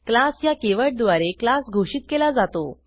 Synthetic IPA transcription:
klasjakeʋəʈ̚d̪ʋaɾeklasɡʱoɕiːt̪̚kelad͡zat̪o

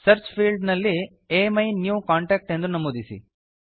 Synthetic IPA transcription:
sɐɾt͡ʃpʰiːlɖnɐlːi | emɐjnjuːkaːɳʈɛːk̚ʈend̪ɾunɐmoːd̪isḭ

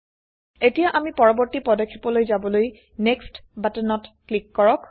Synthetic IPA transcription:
etijaʔamipɔɹɔbɔɹtipɹɔdakʰːi̥pɔlojzabɔloj | nekstbatɛnɔtklikːɔɹɔk

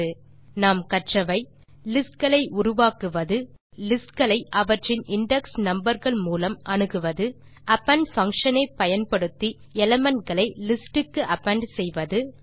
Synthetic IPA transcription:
ɯ | naːmkɐʈrɐʋɐɪ | lɪsʈ̚ɡɐɭɐɪʔʊɾʊʋaːkɯʋɐðɯ | lɪsʈ̚kɐɭɐɪʔɐʋɐʈrɪnɪɳɖɛksnɐmbɐɾɣɐɭmuːlɐmʔɐnɯɣɯʋɐðɯ | ʔɐpːɐɳɖfɐŋkʂɐnɐɪpɐjɐnpɐɽɯt̪ːi | ɛlɐmɐnʈɡɐɭɐɪlɪsʈɯkːɯʔɐpːɐɳɖsɛjʋɐðɯ

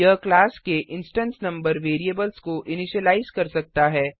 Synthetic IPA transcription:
əklaːskeʔɪ̃nsʈə̃nsnɐ̃mbəɾʋeːɾieːbəlskoʔɪnɪʃəlaːɪzkɐɾsɐk̚t̪aɦɛː

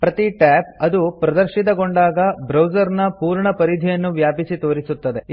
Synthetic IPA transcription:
pɾɐt̪iʈæːp̚ɐd̪upɾɐd̪ɐɾʃit̪̬ɐɡoɳɖaːɡɐbɾɐwd͡ʒɐɾnɐpuːɾɳɐpɐɾid̪ʱijɐnːuʋjaːpisit̪o̞ːɾisut̪ːɐd̪e̞

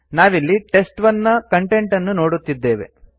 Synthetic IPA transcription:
naːʋilːiʈe̞sʈʋɐnːɐkɐɳʈe̞ɳʈɐnːuno̞ːɽut̪ːid̪ːe̞ːʋe̞̰

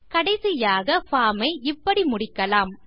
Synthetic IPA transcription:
kɐɽɐɪsɪjaːɣɐfaːmɐɪɪpːɐɽimʊɽɪkːɐlaːm

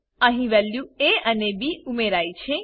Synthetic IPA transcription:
əɦĩʋɛljũeənebiumeɾajt͡ʃʰe

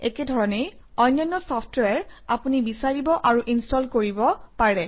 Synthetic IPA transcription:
ɛkɛdʱɔɹɔnej | ɔjnːɔnːɔsɔpʰtwɛɹapunibisaɹibɔʔaɹuʔinstɔlkoɹibɔpaɹɛ

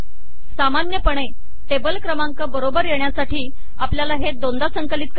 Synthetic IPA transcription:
samanjəpəɳe | ʈebəlkɾəmaŋkəbəɾobəɾjeɳjasaʈiː | apljalaɦed̪ond̪asəŋkəlit̪̚k

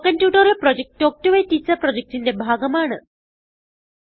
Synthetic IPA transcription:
kɐnpjuːʈɐɾiɭpɾod͡ʑek̚ʈːoːk̚ʈuʋɐjtːit͡ɕɐpɾod͡ʑek̚ʈindebʱaːɡɐmaːɳɨ

